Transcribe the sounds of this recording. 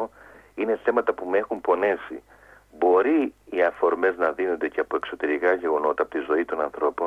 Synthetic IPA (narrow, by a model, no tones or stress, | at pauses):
ine̞θe̞mɐt̪ɐpumee̞xumpo̞ne̞sḭ | bo̞ɾiiɐfo̞ɾme̞znɐðino̞nd̪e̞ceɐpo̞e̞kso̞t̪e̞ɾikɐʝe̞ɣo̞no̞t̪ɐpot̪izo̞it̪o̞nɐnθɾo̞po